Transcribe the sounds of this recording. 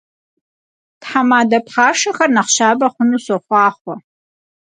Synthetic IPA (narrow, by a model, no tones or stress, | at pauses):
tħamaːdɐpχaːʂɐxɐrnɐχʃaːbɐχʷʊnuːsɔχʷɑːχʷɔ